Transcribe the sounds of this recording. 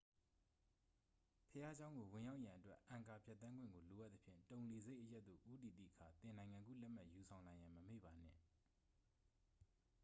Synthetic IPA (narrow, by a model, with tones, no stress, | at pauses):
pʰəja˦d͡ʑã˦ʊ̃ŋɡo˨wɪ̃˨ja˦ʊʔjã˨ʔətwɛ˦ʔã˨ŋka˨pʰja˦t̪ːã˦ŋɡwɪ̰̃˦˨ŋɡo˨lo˨ʔa˦t̪ə˦pʰjɪ̰̃˦˨ntõ˨ʊ̃le˨ze˦ɪʔəja˦ʔ̪t̪̚ːo̰˦˨ʔu˦ti˨t̪ḭ˦˨əkʰa˨t̪ɪ̃˨nã˨ɪ̃ŋã˨ŋɡṵ˦˨lɛ˦ʔm̥a˦ʔju˨sʰã˨ʊ̃lã˨jã˨məmḛ˦˨ba˨n̥ɪ̰̃˦˨